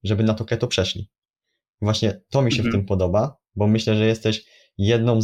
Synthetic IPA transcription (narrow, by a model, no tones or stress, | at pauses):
ʐɛbɘnat̪ɔkɛt̪ɔpʂɛʂlʲḭ | vwaɕɲɛt̪ɔmʲiɕɛft̪ɘmpɔd̪ɔba | bɔmɘɕlɛʐɛjɛst̪ɛɕ | jɛd̪̚nɔ̃w̃